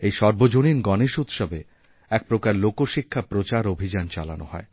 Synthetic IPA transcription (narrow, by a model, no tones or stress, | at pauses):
ejʃɔɾbod͡ʑoninɡɔneʃut̪ʃɔbe | ɛk̚pɾokaɾlokoʃikʰːapɾot͡ɕaɾobʱid͡ʑant͡ɕa̰la̰no̰hɔ̰e